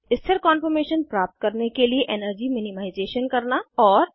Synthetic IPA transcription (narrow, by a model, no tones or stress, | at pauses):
ɪst̪ʰəɾkɔːnpʰəɾmeːʃənpɾap̚t̪̚kəɾnekelieʔenəɾd͡ʒiminimaɪd͡ʒeʃənkəɾnaɔːɾ